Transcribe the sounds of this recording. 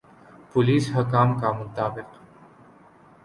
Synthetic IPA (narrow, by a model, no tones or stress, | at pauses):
pʊliːsɦɐkaːmkamʊt̪aːbɪq